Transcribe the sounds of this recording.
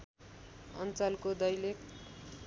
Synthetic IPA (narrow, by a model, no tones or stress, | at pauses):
ʌ̰nt͡salkod̪ʌjlek